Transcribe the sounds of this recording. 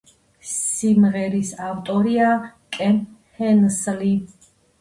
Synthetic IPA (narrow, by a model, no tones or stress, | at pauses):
simʁɛɾisawt̪ʼɔɾiakʼɛn | hɛnsli